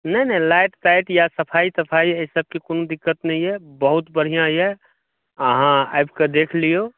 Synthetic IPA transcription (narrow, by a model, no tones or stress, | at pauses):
nənə̃laɪʈtaɪʈjasəpʰaisəpʰaiesəb̚kikoːnõd̪ɪkːət̪nəɦĩɦɛbəɦut̪bəɽ̤ijãjɛ | ɦãa̰jbked̪eːkʰlijo